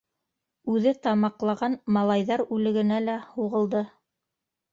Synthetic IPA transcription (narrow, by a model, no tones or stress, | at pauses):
ʉðɘt̪ɑmɑqlˠɑʁɑnmɑlˠɑjðɑɾʉlɘ̆ɡɘ̆nælæhuʁɤ̆lˠd̪ɤ